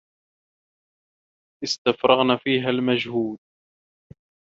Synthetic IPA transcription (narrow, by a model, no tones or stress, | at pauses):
ʔɪst̪afɾˤɑɣnaːfiːɦalmad͡ʒhuːd̪̚